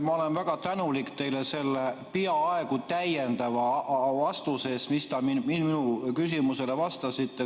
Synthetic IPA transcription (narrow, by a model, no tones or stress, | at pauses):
mɑolenvæɡ̥ɑt̪ænulikt̪e̞jlese̞lːepiɑɑekut̪æjend̪ɑvɑvɑst̪use̞ːsmist̪ɑminminminukys̬imuse̞levɑst̪ɑsit̪ːe